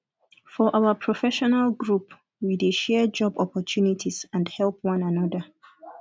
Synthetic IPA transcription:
fɔʔawəpʰɹ̥ɔfɛʃɔnalɡɹup | wideʃɛd͡ʒɔbɔpɔtʰunitʰiz̥ãndhɛlˠp̚ʰwʌ̃nãnʌðə

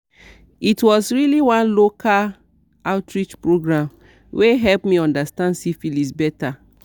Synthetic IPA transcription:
itwɔsɹiliwãnlokʰa | aʊtʰɹit͡ʃpɹoɡɹãm | wʔeɦɛlpmiɔ̃ndastãndsifilisbɛta

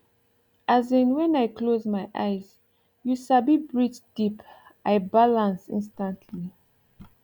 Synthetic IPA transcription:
ʔazĩnwɛ̃najkʰlozmajʔa̰jz | juʃabibɹit͡ʃd̥ipʔajbalãnsḭ̃nstãntʰli

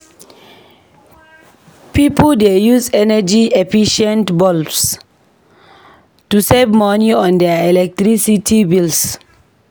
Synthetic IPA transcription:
pipəldejuzɛnəd͡ʒiefiʃɛ̃ntbɔlfs | tusevmɔniɔ̃ndɛɛlɛk̚tɹisitʰibils

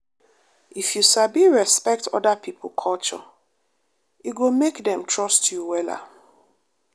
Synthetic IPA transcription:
ifjusabiɹɛspɛk̚tʰɔ̰dapʰipʰl̩kʰɔlt͡ʃɔ̰ | iɡomekdɛ̃mtʰɹɔstʰjuwɛla̰

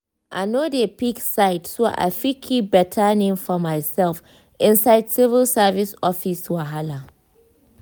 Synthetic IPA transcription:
ʔanodepiksaɪtsoʔa̰fikʰibɛtʰanɪŋfɔmajsɛlf | ʔɪnsaɪdsɪvɪlsavɪsɔfɪswaɦala

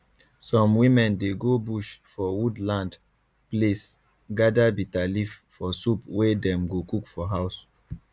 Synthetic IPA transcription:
sɔ̃mwĩmɛ̃ndeɡobuʃfɔwudlãnd | ples | ɡadabitaliffɔsupwedɛ̃mɡokukfɔɦaʊs

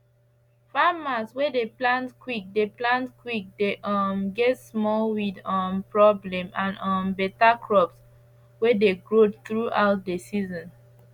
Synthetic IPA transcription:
famaswɛdeplãntkwik̚deplãntkwik̚deʔɔmɡɛtsmɔlwidɔ̃mpɹɔblɛ̃mãnɔ̃mbɛtakɹɔps | wɛdeɡɹoθɹuʔaʊt̚desizɔ̃n

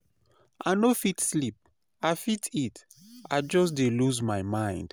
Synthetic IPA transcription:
ʔaɪnofitslip̚ | aɪfitʰit | ad͡ʒɔs̬deluzmajmãɪ̃nd̥

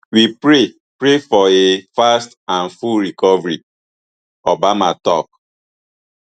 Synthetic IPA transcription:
wipɹe | pɹefɔefastãnfulɾikɔvɹi | obamatɔ̰k̚

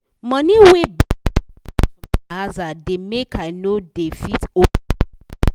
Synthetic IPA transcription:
mɔniweb | azademekʰanodefito

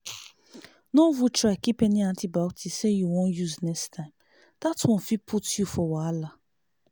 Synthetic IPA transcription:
novutʰɹakipɛnĩãntʰibawtʰisejuwɔ̃njuznɛkstʰãɪ̃m | d̪̥atwɔ̃nfipʰutjufɔwaala

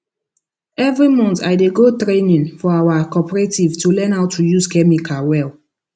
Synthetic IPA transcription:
ɛvɹimɔ̃ntajdeɡotɹenĩnfɔawakɔpɹetivtulɛ̃nawtʰujuskɛmikʰawɛl

